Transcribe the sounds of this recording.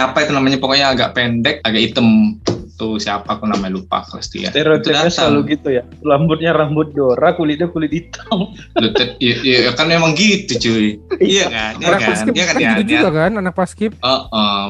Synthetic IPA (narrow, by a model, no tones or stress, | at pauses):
apait̪unamaɲapokɔɲaːɡa̰ʔpɛndɛk̚aɡaʔit̪əmt̪usiapakunamaɲalupa̰kəla̰st̪ḭja̰t̪eɾot̪udaɲasalaŋluɡit̪uja | lambʊt̪̚ɲaɾambʊt̪̚doɾakulɪdɛkulɪdit̪ʰɔŋ | lut̪ɛt̪̚aijajakanmemaŋɡit̪ut͡ʃuiijakanianakaasnkɪijakaad͡ʒuɡakananak̚paskɪp̚əʔə